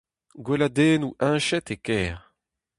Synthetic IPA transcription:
ɡwelad̪eːnuʔɛ̃ːʃɛt̪ekɛːʁ

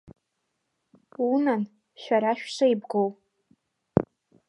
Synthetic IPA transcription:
unan | ʃᶣaɾaʃᶣʂʷajbɡow

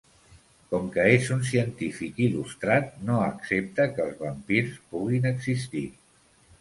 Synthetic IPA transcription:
kɔmkəezuns̬iənt̪ifikilust̪ɾat̪̚noəksep̚t̪əkəlˠzβəmpiɾspuɣinəɡzist̪i

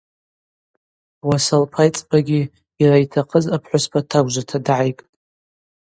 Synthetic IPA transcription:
wasalpʰajt͡sʼbaɡʲi | iraitʰaqʼəzapʰħʷʊspʰatʰaɡʷʒʷatʰadʕajkʼ

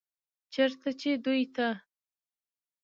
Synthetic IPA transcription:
t͡ʃəɾt̪at͡ʃed̪ujt̪a

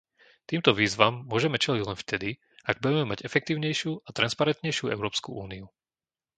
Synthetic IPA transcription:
t̪iːmt̪ɔʋiːzʋamːʊɔʒɛmɛt͡ʃɛliɟlɛnft̪ɛd̪i | aɡ̚buɟɛmɛmaɟɛfɛk̚t̪iːʊɲɛjʃɪuːat̪ɾanspaɾɛnt̪ɲɛjʃɪuɛ̰ʊɾɔːpskṵʔuːniu

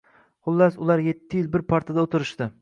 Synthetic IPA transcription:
χʊlˠːasʊlˠaɾje̞t̪ʰːɪjɪlˠbɪɾpʰaɾt̪ʰad̪aot̪ʰɪɾɪʃt̪ɪ

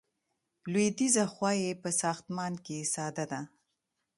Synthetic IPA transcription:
lwed̪izaxwɑjepəsɑxt̪mɑnkesɑd̪ad̪a

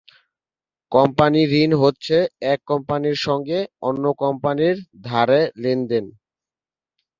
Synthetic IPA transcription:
kɔmpaniɾinɦotːɕʰeɛkːɔmpaniɾʃɔŋɡeonːokɔmpaniɾd̪ʱaɾelind̪en

